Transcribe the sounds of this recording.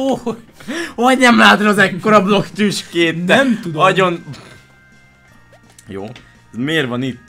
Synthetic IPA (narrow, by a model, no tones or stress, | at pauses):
o | ɒɟnɛmlaːt̪ɾɒːzɛkːo̞ɾɒblo̞kt̪yʃkeːnːɛɛmt̪ud̪ɒɟon | jo̰ː | zmeːrvɒnit̪ː